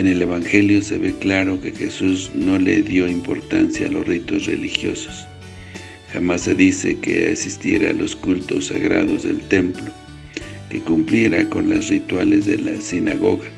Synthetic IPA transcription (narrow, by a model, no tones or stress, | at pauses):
ene̞le̞βaŋxe̞ljo̞seβe̞klaɾo̞ke̞xesuzno̞lḛðjo̞impo̞̰ɾt̪a̰nsjaːlo̞srit̪o̞srḛlixjo̞̰so̥s | xamasːe̞ðisekḛa̰sist̪jeɾalo̞skult̪o̞saɣɾa̰ðo̞zðe̞̰lt̪e̞mplo | ke̞kumplje̞ɾako̞nlasrit̪walezðe̞lasinaɣo̞ɣa